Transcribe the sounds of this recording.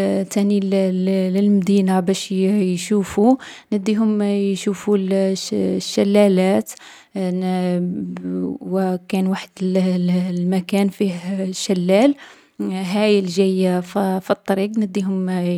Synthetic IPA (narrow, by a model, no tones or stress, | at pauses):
t̪ænilləlmd̪inabæʃjʃufunəd̪ːiɦʊmjʃuful | ʃːælːælæt̪ | wkænwaħəd̪llmækænfihʃːælːæl | ɦæjəlʒæjffit̪ˤːɑɾiqnəd̪ːiɦʊm